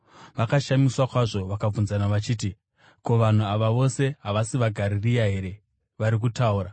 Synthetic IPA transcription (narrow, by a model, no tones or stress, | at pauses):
ʋakaʃamiswakwaʐo̞ʋakab͡vunzanaʋat͡ʃiːt̬i | ko̞ʋan̤uaʋaʋo̞se̞ɦaʋasiʋaɡʱaɾirijaɦe̞ɾe̞ | ʋaɾik̬utauːɾa